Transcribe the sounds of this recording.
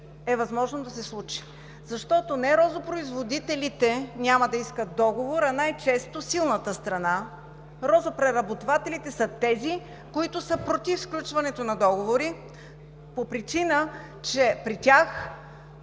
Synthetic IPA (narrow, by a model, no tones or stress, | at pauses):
ɛvɐzmɔʒnod̪ɐsɛslˠut͡ʃi̥ | zɐʃt̪ɔt̪onɛɾɔzopɾoizvod̪it̪ɛlit̪ɛnʲaməd̪ɐiskət̪̚d̪ɔɡovoɾɐnajt͡ʃɛst̪osilˠnət̪əst̪ɾɐna | ɾɔzopɾɛɾɐbot̪ovat̪ɛlit̪ɛsət̪ɛzi | koit̪ʊsəpɾot̪iffklʲut͡ʃvɐnɛt̪onɐd̪ɔɡovoɾi | popɾit͡ʃinə | t͡ʃɛpɾitʲax